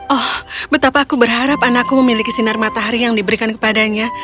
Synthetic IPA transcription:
ʔɔhbət̪apaːkubərɦaɾapanakuməmilikisinarmat̪aɦaɾijaŋdibəɾikankə̥padaɲa

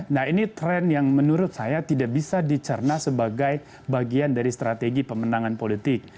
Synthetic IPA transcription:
nahinit̪ɾɛnjaŋmənuɾʊt̪̚sajat̪idaʔbisadit͡ʃərnasəbaɡaj | baɡiandaɾist̪ɾat̪eɡipəmənaŋanpolit̪ɪk̚

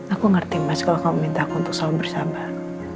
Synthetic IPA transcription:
akuŋərt̪imaskalɔkaməmint̪akuunt̪ʊk̚salabərsaba

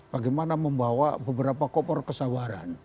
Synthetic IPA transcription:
b̥aɡɛjmanaməmbawa̰bəbəɾapakɔpɔrkəsawaɾan

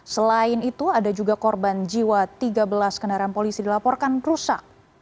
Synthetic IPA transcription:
səlaɪnit̪uadad͡ʒuɡakɔrband͡ʒiwat̪iɡabəlaskənaɾanpolisidilapɔrkanrusak̚

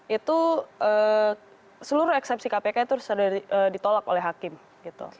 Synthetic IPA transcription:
it̪uəː | səluɾʊɛksɛp̚sikapekait̪uɾsadaəːdit̪olak̚o̰lɛɦakɪm | ɡit̪ṵ

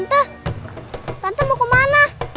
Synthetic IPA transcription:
nt̪ə | t̪ant̪əmɔkomana

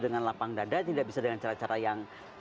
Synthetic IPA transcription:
dəŋanlapaŋdadat̪idaʔ̚bisadəŋant͡ʃaɾat͡ʃaɾajaŋ

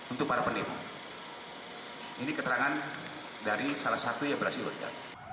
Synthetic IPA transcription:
unt̪ʊk̚paɾapəndema̰ | inikət̪əɾaŋan | daɾisalahsat̪ujabəɾasilə̰d͡ʒa̰t

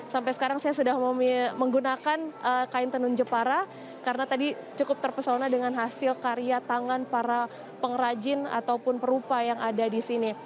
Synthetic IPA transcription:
sampajsə̥kaɾaŋsajasudahmməŋɡunakanəkaɪnt̪ənʊnd͡ʒəpaɾa | kaɾənat̪adit͡ʃukʊp̚t̪ərpəsonadəŋanɦasɪlkaɾiat̪aŋanpaɾa | pəŋəɾad͡ʒɪna̰t̪awpʊnpəɾupajaŋadadisini

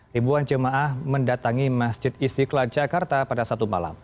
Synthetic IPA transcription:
ibuand͡ʒəmaʔahməndat̪aŋimasd͡ʒɪt̪̚isikəlad͡ʒakart̪apadasat̪uma̰la̰m

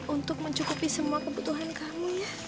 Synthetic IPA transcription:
unt̪ʊk̚məɲt͡ʃukupisəmuakəbut̪uɦankamuja

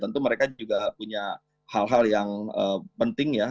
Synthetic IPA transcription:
t̪ənt̪uməɾekauɡapuɲa | halɦaljaŋəːpənt̪ɪŋja

